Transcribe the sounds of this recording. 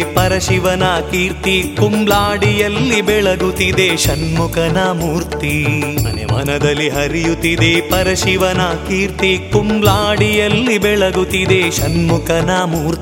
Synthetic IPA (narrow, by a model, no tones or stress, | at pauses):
pɐɾɐʃiʋɐnaːkiːɾt̪ikumlaːɽijɐlːibɛɭɐɡut̪id̪eːʃɐnmukɐnɐmuːɾt̪imɐ̰nḛmɐ̰nɐd̪ɐlːiɦɐɾijut̪id̪eːpɐɾɐʃiʋɐnaːkiːɾt̪ikumlaːɽijɐlːibɛɭɐɡut̪id̪eːʃɐnmukɐnamuːɾt̪